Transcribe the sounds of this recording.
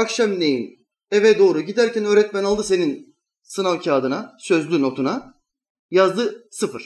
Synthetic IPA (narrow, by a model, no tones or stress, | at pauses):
akʃamnejin | evɛd̪o̞ːɾuɟid̪æɾcʰænø̞ːɾɛt̪mænalˠd̪ɯse̞nin | sɯnalcʰaːd̪ɯnasø̞zlʲyno̞t̪ʰuna | jazd̪ɯsɯfɯɾ̥